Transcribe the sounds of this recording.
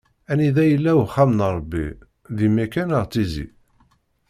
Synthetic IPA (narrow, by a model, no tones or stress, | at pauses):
æniðæjəlːæwχːæmnɾˤəbːḭ | ðimækænəʁt͡sːizḭ